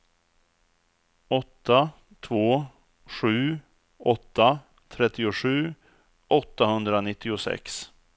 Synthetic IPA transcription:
ɔt̪ːa | t̪ʰvoː | ɧʉ̟ː | ʔɔt̪ːa | t̪ʰɾɛt̪ːɪʊɧʉ̟ː | ʔɔt̪ːahɵnd̪ɾanɪt̪ːɪʊsɛ̰ks

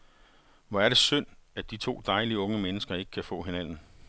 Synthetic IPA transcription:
ʋɒæɐɾ̥e̝søn̰æd̥it͡sʰo̝̰ːd̥ɑ̈ɪliəɔ̽ŋəmenəsɡ̥ɐe̝ɡ̥ə̥kʰæfɔ̰̽ːɦe̝næn̰n̩

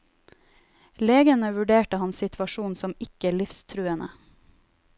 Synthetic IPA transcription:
leːɡənəʋʉɖeːʈəhɑnssɪt̪ʰʋɑʃuːnsɔmɪkəɭɪfst̪ʰɾʉːənə̰

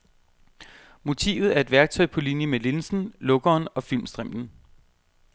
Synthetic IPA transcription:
mo̝t͡sʰḭːʊð̞̩ˠæɐe̝d̥ʋæɐɡ̥̚t͡sʰɒ̽ɪpʰɒ̽linjəmele̝nsn̩lɔ̽ɡ̥ɐːnɒ̽filmsd̥ʁɛm̰d̥n̩

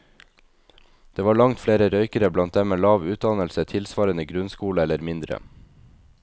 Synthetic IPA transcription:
d̪̥eːʋɑːɭɑŋt̪fɽeːɾəɾœʏkəɾəblɑnt̪̚d̪ɛmeːlɑːʋʉːt̪̚d̪ɑnəlsət̪ʰɪlsʋɑːɾənəɡɾʉnskuːləɛləɾmɪnd̪ɾə̰

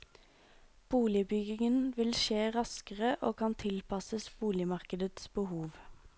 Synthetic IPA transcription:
b̥uːlɪbʏɡɪŋənʋɪlʃeːʁɑskəʁəʔoːkʰɑnt̪ʰɪlpʰɑsəsb̥uːlɪmɑʁkəd̪ət̪sb̥əhuːʋ

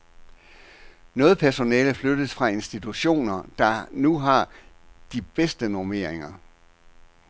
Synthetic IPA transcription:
nɔ̽ːð̞̩ˠpʰæɐso̝nɛːləflød̥əð̩ˠsfʁɑ̈e̝nsd̥it͡sʰuɕo̝̰ːnɐd̥ɑ̈nuɦɑ̈ | d̥ib̥esd̥ənoɐme̝ɐ̰eŋɐ

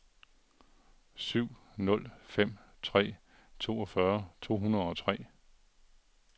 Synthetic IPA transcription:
syʊ̰ | nɔ̽l̰fem̰t͡sʰʁɛ̰ː | t͡sʰo̝ːɒ̽fɶɐt͡sʰo̝̰ːɦunɐð̞ˠɒ̽t͡sʰʁɛ̰ː

